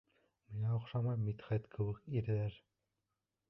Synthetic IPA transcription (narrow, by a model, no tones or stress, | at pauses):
mijɑŏχʃɑmɑjmit̪χæt̪kʰɘ̆wɘkiɾɘ̆ðæɾ